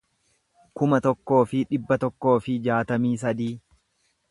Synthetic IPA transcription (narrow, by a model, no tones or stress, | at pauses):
kʊmɐt̪ɔkːo̞ːfɪᶑɪbːɐt̪ɔkːo̞ːfɪd͡ʒaːt̪ɐmiːs̬ɐd̪iː